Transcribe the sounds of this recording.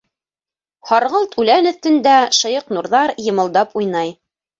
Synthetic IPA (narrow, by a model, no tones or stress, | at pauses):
hɑɾʁɤlˠt̪ʉlænɵ̆θt̪ɘ̆nd̪æʃɤ̆jɤqnuɾðɑɾjɤ̆mɤ̆lˠd̪ɑpujnɑj